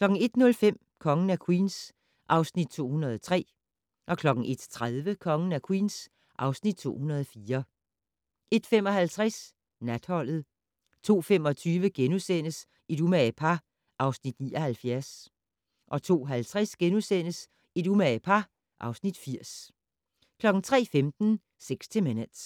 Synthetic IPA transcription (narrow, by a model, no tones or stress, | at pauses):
kʰlɒ̽ɡ̥ŋ̩e̝d̥nɔ̽lfem̰ | kʰɒ̽ŋən̩ækʰwiːns | ʔɑ̈ʊsnid̥̚t͡sʰo̝̰ːhunɐð̞ˠɒt͡sʰʁɛ̰ː | ʔɒ̽kʰlɒ̽ɡ̥n̩ʔe̝d̥t͡sʰʁaðˠʋəkʰɒ̽ŋən̩ækʰwḭːns | ʔɑ̈ʊsnid̥̚t͡sʰo̝̰ːhunɐð̞ˠɒ̽fiːɐ | ʔe̝d̥fem̰ɒ̽hælt͡sʰʁas | næd̥hɒ̽l̰ð̞̩ˠ | t͡sʰo̝̰ːfemɒ̽t͡sʰyːʋəɡ̥enusen̰əs | id̥umæpʰɑ̈ | ʔɑ̈ʊsnid̥nḭːɒhælfjæɐs | ʔɒ̽t͡sʰo̝̰ːɦælt͡sʰʁasɡ̥enusen̰əs | ed̥umæpʰɑ̈ | ʔɑ̈ʊsnid̥fiɐ̰s | kʰlɒ̽ɡ̥ŋ̩t͡sʰʁɛ̰ːfemd̥n̩ | seɡ̥sʰemenəd̥s